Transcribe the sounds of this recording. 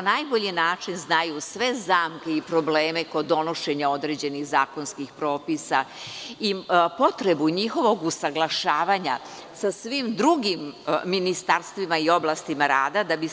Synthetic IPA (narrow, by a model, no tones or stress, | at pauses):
najboʎinaːt͡ʂinznajusʋe̞zaːmke̞ipɾo̞bleːme̞ko̞d̪o̞no̞ʃe̞ɲao̞d̪ɾe̞ːd͡ʑe̞niɣzaːko̞nskixpɾo̞ːpisaipo̞t̪ɾe̞buɲixo̞ʋo̞ɡusaɡlˠaʃaːʋaɲa | sasʋimd̪ɾuɡimːinist̪aɾst̪ʋimaio̞blˠast̪imaɾaːd̪ad̪abi